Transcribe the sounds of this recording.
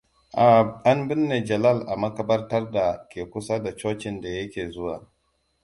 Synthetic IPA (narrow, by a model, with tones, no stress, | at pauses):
ʔa˨a˦nbɪ˦nːe˨d͡ʒɐ˨la˦˨lʔa˨mɐ˦kɐ˦bɐ˦rtɐ˦rda˨kʲeː˨kʷʊ˦sa˦da˨t͡ʃoː˦t͡ʃɪ˨nda˨jɐ˦kʲeː˨zʊ˦waː˨